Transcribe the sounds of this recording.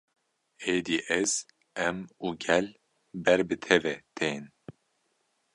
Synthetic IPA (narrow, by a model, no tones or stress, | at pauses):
eːd̪iːʔɛz | ɛmuːɡɛl | bɛɾbɨt̪ʰɛvɛt̪ʰeːn